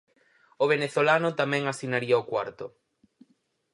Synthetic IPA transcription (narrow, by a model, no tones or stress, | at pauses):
oβeneθolanʊt̪amɛ̃ŋasinaɾiaokwa̰ɾt̪ʊ